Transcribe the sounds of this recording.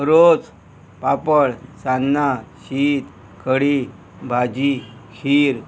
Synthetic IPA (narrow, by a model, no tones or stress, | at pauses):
ɾot͡s | papəɭsanːaɕiːt̪ | kʰəɽi | bʱad͡ʑikʰiːɾ